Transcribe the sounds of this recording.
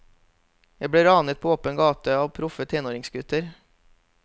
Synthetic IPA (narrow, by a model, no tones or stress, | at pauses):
jæbɽeːɾɑːnət̪̚pʰoːoːpənɡɑːt̪əɑːʋpʰɾʊfət̪ʰeːnoːɾɪŋsɡʉt̪əɾ